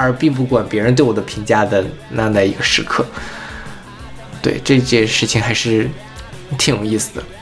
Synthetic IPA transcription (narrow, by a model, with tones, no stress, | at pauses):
ə˞˧˥pi˥˧ŋp̬u˥˩kwa˨˩npjɛ˧˥˧nt̪we˥˩ɪwɔ˨˩d̪ə˦˥pʰi˧˥ŋt͡ɕja˥d̪ə˨na˥˧na˥˩ɪi˧˥ɡə˧ʂɻ̩˧˥kʰɤ˥˩ | t̪we˥˩ɪʈ͡ʂɤ˥˧˥t͡ɕjɛ˥˧nʂɻ̩˥˩t͡ɕʰi˩ŋxa˧˥ɪʂɻ̩˥˩ | t̪ʰi˨˥ŋjo˨˩˦i˥˩sɹ̩˨˩d̪ə̰˩